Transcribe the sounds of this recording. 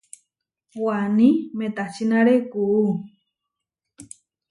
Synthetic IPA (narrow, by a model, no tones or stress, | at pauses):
wanĩmẽt̪at͡ʃinãɾekuu